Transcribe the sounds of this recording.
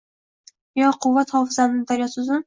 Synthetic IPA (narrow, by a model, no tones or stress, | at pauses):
jɒqʰʊvːat̪hɒːfɪzanɪnɪd̪aɾjɒt̪sʊzʊ